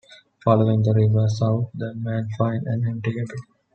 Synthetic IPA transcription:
fɔloɪ̃ŋd̪əɾɪʋəsaʊt̪d̪əmæ̃nfãɪ̃næ̃ɳɪ̃ɳʈiɡeʈi

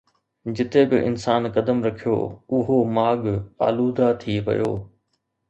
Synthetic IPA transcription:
d͡ʑɪt̪ebɪ̰ʔɪ̰nsaːnkɐd̪əmɾɐkʰijo̰ːʊɦomaːɠa̰ːluːd̪ʱat̪ʰiʋɐ̰jo̰ː

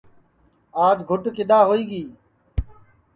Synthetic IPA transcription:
aːd͡ʒɡʱʊʈkɪɗ̪aːɦoːiːɡiː

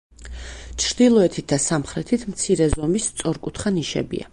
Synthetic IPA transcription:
t͡ʃʰɾd̪̥ilˠɔɛt̪ʰit̪̚ʰd̪asamχɾɛt̪ʰit̪ʰmt̪sʰiɾɛzɔmist̪sʼɔɾkʼut̪ʰχaniʃɛ̰bḭa̰

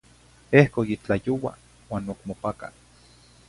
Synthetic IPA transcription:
ehkojit͡ɬajowa̰ | waːnokmopaka̰

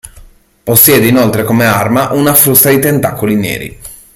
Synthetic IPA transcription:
posːjɛːd̪einolt̪ɾekomearmaʔunafɾust̪ad̪it̪ent̪akːolinɛ̰ːɾḭ

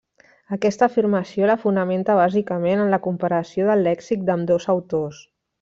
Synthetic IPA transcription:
əkɛst̪əːfirməsioləfunəment̪əβ̞azikəmenənləkumpəɾəsioðəlːɛksik̚d̪əmd̪ozəwt̪os

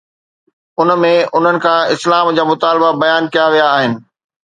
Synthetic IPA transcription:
ʊnmẽʊn̤ənɪ̆kʰãɪslaːmd͡ʑaːmʊt̪aːlbabɐjaːnkijaʋijaːɦɪnɪ̆

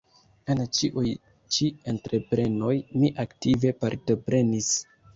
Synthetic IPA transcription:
ent͡ʃiʔuj | t͡ʃie̞ntɾe̞pɾe̞no̞jmiʔaktive̞paɾto̞pɾe̞nis

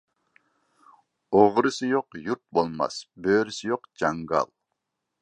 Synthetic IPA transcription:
oʁɾɨsɨjoqjuɾt̪̚bolˠmɑ̰sbøːɾysɪjoqd͡ʒɑŋɡɑ̰lˠ

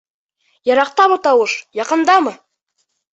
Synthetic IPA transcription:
jɑɾɑq̚t̪ɑmət̪ɑwəʃjɑqənd̪ɑmə

